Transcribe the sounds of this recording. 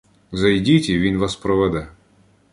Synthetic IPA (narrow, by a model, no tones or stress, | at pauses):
zɐjdʲitʲiʋʲinʋɑspɾɔʋɛd̪ɛ